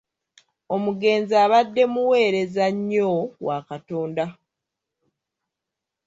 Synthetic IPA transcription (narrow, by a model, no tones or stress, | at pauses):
o̞muɡe̞ːnziaːβadːe̞muwe̞ːɾe̞zaɲːowakato̞ːnda